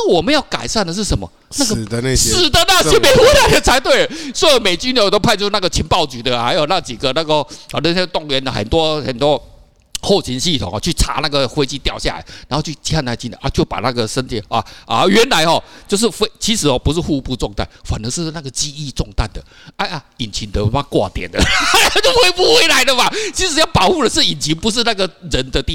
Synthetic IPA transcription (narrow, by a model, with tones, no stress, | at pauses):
na˥˩wɔ˨˩mə˦jɑ˥˩ʊka̰˨˩ɪsa˥˩nd̪ə˨˩ʂ̬̩˥˩ʂə˧˦nmɐ̰˧˩ | na˥˩ɡə˨˩ə˧na˥˧ɕʂ̩˨˩d̪ə˦na˥˩jɛ˥me˨˦ɪxwe˥˧ɪla˨˥ɪd̪ə˨t͡sʰa˧˥ɪt̪we˥˩ɪə˩swɔ˧˥i˨˥me˨˩ɪt͡ɕy˥njo˧˥ʊt̪o˥ʊpʰa˥˧t͡ɕo˥˧˥na˥˨ɡə˨t͡ɕʰi˧˥npɑ˥˩ʊt͡ɕy˨˩d̪ə˦ha˧˥ɪjo˨˩ʊna˥˧t͡ɕi˨˩ɡə˦na˥˧ɡə˧˨˩nə˥˧˩ɛ˥t̪ʊ˥˩ŋɥɛ˨˧˦nə˩xə̰˨˩nt̪wɔ˥xə̰˨˩nt̪wɔ˦ | xo˥˩ʊt͡ɕʰi˧˦nɕi˥˩t̪ʰʊ˨˩ŋɔ̰˨˧t͡ɕʰy˥˩ʈ͡ʂʰa̰˧˥na˥˩ɡə˩xwe˥ɪt͡ɕi˥˧t̪jɑ˥˧ʊɕja̰˥˨˩la̰˨˦ɪnɻa˨˧˦xo˥˧t͡ɕʰy˥˩t͡ɕi˧˥a˥˧na˥˩˨t͡ɕi˥˩d̪ə̰˨˦ʔa˥˧˩t͡ɕjo˥˩pa̰˨˩na˥˩ɡə˨ʂə˥nt̪ʰi˨˦a̰˧˩ʔa̰˧ɥɛ˨˧˥nla˧˥ɪxɔ˥˧t͡ɕjo˥˧ʊʂ̬ɻ̩˥˩fe˥ɪt͡ɕʰi˧˥ʂɻ̩˨˩ɔ˧pu˧˦ʂ̬ɻ̩˥˧xu˥˧˥pu˥˧t͡sʊ˥˧ŋt̪a̰˥˩nfa˨˩nə˧˦ʂɻ̩˥˧na˥˩ɡə˩t͡ɕi˥i˥˧ʈ͡ʂʊ˥˧ŋt̪a˥˩nd̪ə˩ | a˥˩ɪʔa˨˧i˨˩nt͡ɕʰi˨˥nt̪ə˧˩ma˥˧kwa̰˥˩t̪jɛ̰˨˩nd̪ə˩a˥˨˩t͡ɕjo˥˧ʊxwe˥˧ɪpu˥˧xwe˥ɪla˧˦ɪd̪ə˨ma˨t͡ɕʰi˧˥ʂ̬ɻ̩˨˩˦jɑ˥˩ʊpɑ˨˩ʊxu˥˩lə˩ʂɻ̩˥˩i˨˩nt͡ɕʰi˧˥npu˧˦ʂ̬ɻ̩˥˧na˥˩ɡə˨ɻə˧˥nd̪ə˧t̪i˥˨